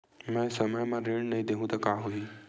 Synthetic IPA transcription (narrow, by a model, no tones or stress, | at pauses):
mɛ̃səməjmãɾeɽnɐɦĩd̪eɦũd̪akaːɦoi